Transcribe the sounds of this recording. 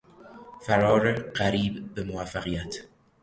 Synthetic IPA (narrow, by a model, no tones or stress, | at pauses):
fæɾɒːɾeɢæɾiːbbemovæfːæɣijæt̪ʰ